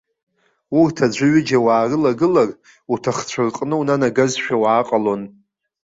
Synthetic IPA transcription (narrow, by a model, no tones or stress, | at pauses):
urtʰad͡ʒʷɨɥɪd͡ʒawaːrɨlaɡɨlar | utʰaχt͡ɕʷʰarqʼnɨwunanaɡazʃᶣawaːqʼalo̞n